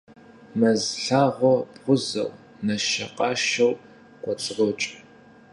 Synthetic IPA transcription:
mɐzɬaːʁʷɔbʁʷʊzɐ̰w | nɐʃɐqʼɑʃɐw | qʷɔt͡sʼɨʁʷɔt͡ʃʼ

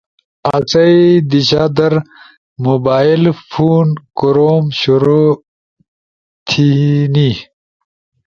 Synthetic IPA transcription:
at͡sɐid̪iɕaːd̪ɐɾ | mobaːilfuːnkuɾoːmɕuɾo | t̪ʰini

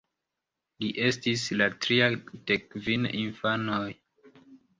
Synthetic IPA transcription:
liʔe̞stislatɾiad̥ekvininfanoj

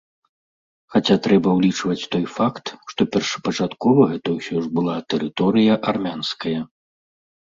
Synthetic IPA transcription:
xat͡sʲat̪ɾɛbɐwlʲit͡ʂvɐt͡sʲt̪ɔjfakt̪ʂt̪ɔpʲɛrʂɐ̥pɐt͡ʂat̪kɔvɐɣɛt̪ɐwsʲɔʐbɨlˠat̪ɛɾɨt̪ɔɾɨjɐʔarmʲanskɐjɐ

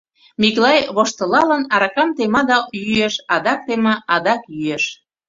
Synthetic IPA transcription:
miklɑjβoʃt̪ə̆lɑlə̆nɑɾɑkɑmt̪emɑd̪ɑjyjeʃɑd̪ɑk̚t̪emɑʔɑd̪ɑkjyjeʃ

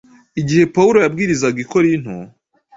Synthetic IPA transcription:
iɟihe̞pauɾo̞jab̚ɡiːɾizaɡiko̞ɾin̥hu

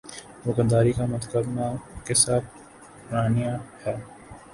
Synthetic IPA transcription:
ʋʊkəd̪aːɾikamɐt̪kəbnakesaːt̪̚ʰ | pʊɾaːnijahɛː

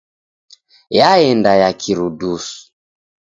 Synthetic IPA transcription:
jaɛndajakʰiɾudusu̥

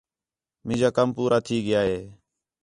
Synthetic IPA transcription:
mɪ̃d͡ʒaːkəmpuːɾʔaːt̪ʰiːɡɪjaːɦeː

